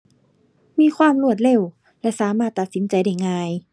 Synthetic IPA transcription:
miː˧˥˨kʰwaː˥˨mlu˧˩ət̪̚le˧˥˩w | lɛ˧˥ʔsaː˨˩˦maː˥˩t̪ːa˨˩t̪̚si˩˦nt͡ɕa˨˧˩jda˥˩jŋaː˧j

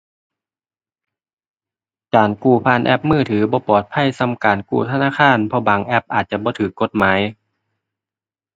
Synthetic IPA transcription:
t͡ɕaː˨˩nkuː˧˩pʰaː˧˥˨nʔɛ˧˥p̚mɯː˧˥˩t̪ʰɯː˨˦bɔː˧˦pɔː˨˩t̪̚pʰa˧˥˨jsa˧˨mkaː˨˩nkṵː˧˩t̪ʰa˧naː˧˥˨kʰaː˧˥˨npʰɔ˧baː˨˩ŋʔɛ˧˥p̚ʔaː˨˩t̪̚t͡ɕa˧˩bɔː˧˦t̪ʰɯː˨˩kːo˧t̪̚maː˨˦j

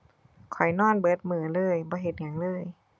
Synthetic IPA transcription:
kʰɔ˨˩jnɔː˧˩˨nbɤ˨˦˥t̪̚mɯː˨˩lɤː˧˥˩jbɔː˧˦ɦe˨˧˩t̪̚ɲa˨˧˩ŋlɤː˧˥˨j

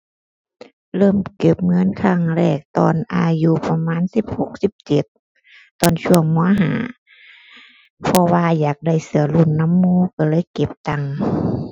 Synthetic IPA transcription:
lɤː˧˥˨mke˧˩p̚ŋɤ˧˥˨nkʰaː˧˩ŋɾɛː˧˩k̚t̪ɔː˧˩nʔaː˧ju˧pa˧maː˧˥˨nsi˧˦p̚ho˨˩k̚si˧˦p̚t͡ɕe˨˦t̪̚ | t̪ɔː˧˩nt͡ɕʰu˧˩əŋmu˧˦ɐ˨ɦa̰ː˨˦ | pʰɔ˧waː˧jaː˨˩k̚da˧˩jsɯ˨˧˦ɐlu˧˩˨nːa˧˥˨mːuː˧˨ka˧˩lɤː˧˥˨jke˧˦p̚t̪a˧˩ŋ

